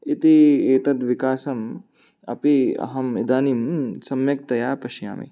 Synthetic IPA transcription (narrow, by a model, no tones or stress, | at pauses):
it̪ieːt̪ɐt̪ʋikaːsɐm | ɐ̰piɐ̰ɦɐmid̪aːnimsɐmjɐk̚t̪ɐjaːpɐʃja̰ːmḭ